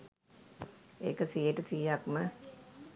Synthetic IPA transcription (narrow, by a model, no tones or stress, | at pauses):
ḛːkəsijəʈəsijakmə